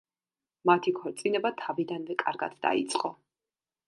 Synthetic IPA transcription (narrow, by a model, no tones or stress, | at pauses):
mat̪ʰikʰɔɾt̪sʼinɛbat̪ʰavid̪anvɛkʼaɾɡa̰d̪̥d̪a̰ḭt̪sʼqʼɔ